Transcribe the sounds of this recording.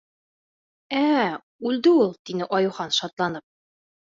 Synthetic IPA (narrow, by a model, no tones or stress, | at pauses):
æ | ʉld̪ɘulˠt̪inɘʔɒjuχɑnʃɑt̪lˠɑnɤp̚